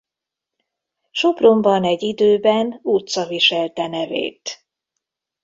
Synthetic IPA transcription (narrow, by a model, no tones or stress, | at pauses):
ʃo̞prombɒnɛɟːid̪øːbɛnut̪sɒviʃɛlt̪ɛnɛvḛːt̪